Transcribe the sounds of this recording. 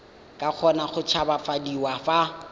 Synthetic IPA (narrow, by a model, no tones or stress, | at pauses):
kʼaq͡χʰɔnaχʊt͡ʃʰabafadiwafa